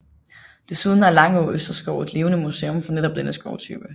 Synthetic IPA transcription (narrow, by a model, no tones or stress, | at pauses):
d̥e̝suðˠn̩æɐlɑ̈ŋɒøsd̥ɐsɡ̥ɒʊe̝d̥le̝ːʊnəmuseːɔ̽mfɒ̽neɾɒ̽b̥d̥enəsɡ̥ɒʊt͡sʰy̰ːb̥ə